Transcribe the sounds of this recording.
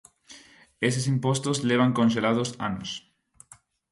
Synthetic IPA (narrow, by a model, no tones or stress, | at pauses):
es̬ɪsimpost̪ozleβaŋkõnʃ̬elaðʊsa̰nʊs